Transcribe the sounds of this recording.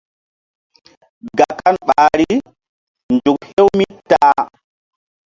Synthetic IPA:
ɡa˨kːa˦nɓaː˨ɾi | nd͡ʒu˨khe˦wmi˦taː˦

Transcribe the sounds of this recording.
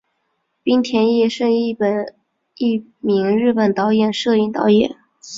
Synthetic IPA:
pi˥ŋt̪ʰjɛ˧˥njɛ˥˩ʂə˥˧ni˥˩pə˨˩n | i˥˩mi˧˥ŋɻɻ̩˥˩pə˨˩nt̪ɑ˧˥ʊjɛ˨˩nʂɤ˥˧i˥˩ŋt̪ɑ̰˧˥ʊjɛ̰˨˩˦

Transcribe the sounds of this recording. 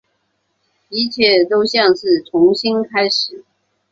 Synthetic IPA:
pi˧˥t͡ɕʰjɛ˥˩t̪o˥ʊɕjɑ˥˧ŋʂɻ̩˥˩t͡sʰʊ˧˥ŋɕi˥nkʰa˥ɪʂɻ̩˨˩˦

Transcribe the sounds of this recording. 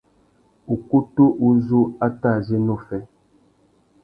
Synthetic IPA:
u˨ku˦to˦ʔu˦zu˦a˦ta˦˨zi˦no˦˨fɛ˦

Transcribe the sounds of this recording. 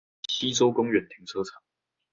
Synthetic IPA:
ɕi˥t͡so˥ʊkʊ˥ŋɥɛ˨˩nt̪ʰi˧˥˦ŋt͡sʰɤ˥ʈ͡ʂʰa˨˩˦

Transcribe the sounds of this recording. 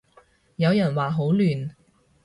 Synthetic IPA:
jɐ˨˧wjɐ˨˩nwaː˨ɦo˨˥wlyː˨˩n

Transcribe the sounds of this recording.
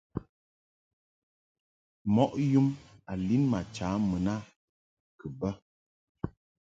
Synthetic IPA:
mɔ˦ʔju˦ma˨li˦nma˨t͡ʃaː˨˦mə˨na˦ | kə˨bə˦

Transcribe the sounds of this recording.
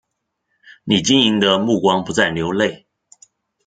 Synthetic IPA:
ni˨˩t͡ɕi˦ni˧˥ŋd̪ə˧mu˥˩kwɑ˥ŋpu˧˦t͡sa˥˩ɪljo˧˥ʊle˥˨ɪ

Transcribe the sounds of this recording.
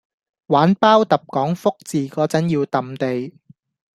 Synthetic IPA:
waː˨˥npaː˥wt̪ɐ˨p̚kɔː˨˥ŋfʊ˥k̚t͡siː˨kɔː˨˥t͡sɐ˨˥njiː˧wt̪ɐ˨mt̪e˨j

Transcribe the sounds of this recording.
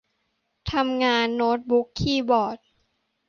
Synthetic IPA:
t̪ʰa˧mŋaː˧nːoː˦˥t̪̚bu˦˥kʰːiː˥˩bɔː˨˩t̪̚

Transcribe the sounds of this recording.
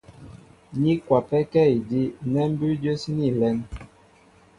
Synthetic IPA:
ɲi˦kwa˨pɛ˦kɛ˦i˨di˦nɛ˦m˦bʉ˦d͡ʒə˦si˦ni˦˨lɛ˦n

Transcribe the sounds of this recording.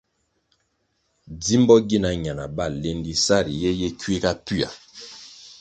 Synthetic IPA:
di˦mbɔ˦ɡi˦na˨ɲa˨na˨ba˦˨le˦ndi˦sa˦˨ɾi˨je˦je˦kwe˦ka˦pi˦a̰˨

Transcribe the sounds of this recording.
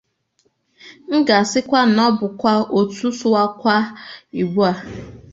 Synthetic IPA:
ŋ̩˦ɡa˨sɪ˦kʷa˦n̩˨ɔ˦bʊ˨kʷa˦o˨tu˦sʊ˦a˦kʷa˦i˨ɡ͡bu˦a˨

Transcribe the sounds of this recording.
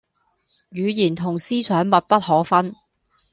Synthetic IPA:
jyː˨˧jiː˨˩nt̪ʰʊ˨˩ŋsiː˥sœː˨˥ŋmɐ˨t̚pɐ˥t̚hɔː˨˥fɐ˥n

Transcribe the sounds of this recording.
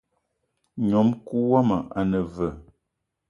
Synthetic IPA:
ɲɔ˨˦mku˦wɔ˦mə˨a˨nə˨və˨

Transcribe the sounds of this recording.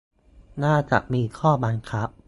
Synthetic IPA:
naː˥˩t͡ɕa̰˨˩ʔmiː˧kʰɔː˥˩ba˧nkʰa˦˥p̚

